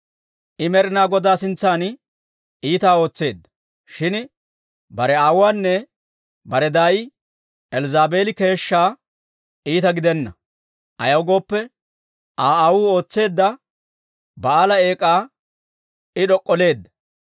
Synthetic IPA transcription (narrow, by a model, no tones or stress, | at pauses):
ʔɪmɛɾɪnaːɡɔd̪aːsɪnt͡sːaːn | iːt̪aːo̞ːt͡sːe̞ːd̪ːɐ | ʃɪn | bɐɾɛaːwwaːnːɛ | bɐɾɛd̪aːj | ɛlzaːbe̞ːlɪke̞ːʃːaː | iːt̪ɐɡɪd̪ɛnːɐ | ʔɐ̰jɐwɡo̞ːpːɛ | ʔaːaːwuːo̞ːt͡sːe̞ːd̪ːɐ | bɐaːlɐe̞ːkʼaː | ɪɗɔkʼːɔle̞ːd̪ːɐ̥